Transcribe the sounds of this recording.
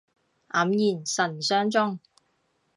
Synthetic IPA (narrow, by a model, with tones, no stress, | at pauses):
ʔɐ˨˥mjiː˨˩nsɐ˨˩nsœː˥ŋt͡sʊ˥ŋ